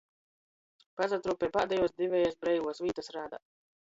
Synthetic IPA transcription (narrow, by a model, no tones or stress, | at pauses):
pazat̪ɾuːpʲɛjpaːd̪ɛjuɔsd̪ivʲɛːjasbɾɛjvuɔsvʲiːt̪asɾaːd̪a̰ː